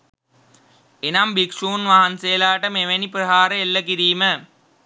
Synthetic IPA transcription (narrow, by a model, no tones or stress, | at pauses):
enambikʂuːnʋaɦansejəlaːʈəmeʋenipɾəɦaːɾəelːək̬iɾiːmə